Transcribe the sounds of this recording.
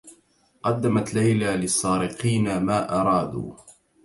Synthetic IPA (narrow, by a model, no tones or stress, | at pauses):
qɑd̪ːamat̪lajlaːlɪsˤːɑːɾɪqiːnamaːʔɑɾˤɑːd̪ṵː